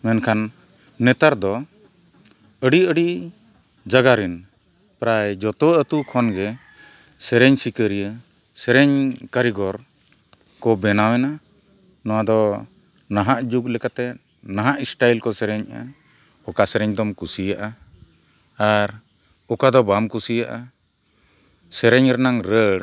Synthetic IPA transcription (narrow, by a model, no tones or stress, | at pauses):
mɛnkʰanː | ɛt̪aɾd̪ɔ | əɖiəɖiʔ | d͡ʒaɡaɾin | pɾajd͡ʒɔt̪ɔət̪ukʰɔnɡɛ | sɛɾɛɲsikəɾijə | sɛɾɛɲkaɾiɡɔɾ | kɔbɛnawɛna | nɔwad̪ɔ | naɦaʔd͡ʒuk̚lɛkat̪ɛ | naɦaʔisʈajlkɔsɛɾɛɲa̰ | ɔkasɛɾɛɲd̪ɔmkusijaʔa | aɾ | ɔkad̪ɔbamkusijaʔa | sɛɾɛɲɾɛnaŋɾəɽ